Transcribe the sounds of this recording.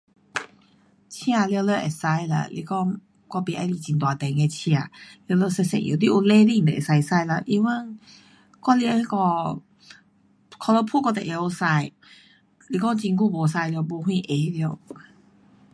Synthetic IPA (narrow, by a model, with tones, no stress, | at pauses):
t͡ɕʰj̃ã˧ljlə˧˨ʔe˨˩sa˧jlə̰˧˨lḭ˧˩kɔ˥˧ŋ | kɔ˧˩pi˨˩ʔa˧˩jli˧˩t͡ɕi˧nt̪wa˨˧˩t̪ɛ˧˩ŋe˧t͡ɕʰj̃ã˧˩li˧wlə˧˨se˧sḛ̃˧˨ʔjṵ˨˩t̪i˧ʔu˧le˧li˧˨ŋd̪e˨ḛ˨˩sa˧sa˧jlə˧˨ʔi˧wə˧˨ŋ | kɔ˧˥li˧a˧kɔ˧˩ | kʰɔ˧lə˧pʰu˥˨kɔ˥˧˩t̪ɛ˨˩ʔe˧o˧sa˧j | li˧kɔ˥˨ŋt͡ɕi˧nk̬u˧bo˨˧˩s̬a˧jlbo˧ɦwĩ˥˧ʔe˨˦li˧˨